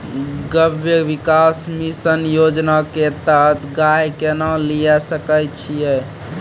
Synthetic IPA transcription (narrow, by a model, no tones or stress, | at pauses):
ɡəbjebikasmisənjod͡ʒnaket̪ət̪ʰɡajkenalijasəkəjt͡ʃʰijɛ